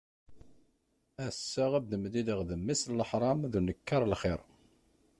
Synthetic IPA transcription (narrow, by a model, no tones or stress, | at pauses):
æsːəʁæbðəmðiðəʁðəmːisləħɾˤɑmðunəkːɑɾˤəlχɪɾˤ